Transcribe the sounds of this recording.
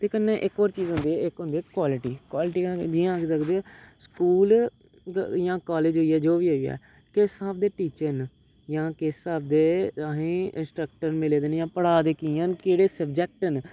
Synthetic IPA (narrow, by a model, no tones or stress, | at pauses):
t̪eːkənːeːʔɪkɔːɾt͡ʃiːzɦʊ̃nd̪iːɛɪkɦʊ̃nd̪ikwaːlɪʈiːkwaːlɪʈĩːd͡ʒiãːkːsəkd̪eɛːskuːl | jãːkaːleːd͡ʒɦoiːɛːd͡ʒoːʋiːɦoiɛ̰ː | kɪsaːbd̪eːʈiːt͡ʃəɾn | jãːkɪsaːb̚d̪eːaɦẽːɪ̃sʈɾək̚ʈəɾnmɪleːd̪enjãːpəɽaːd̪eːkĩːənkeːɽeːsəb̚d͡ʒɛːk̚ʈən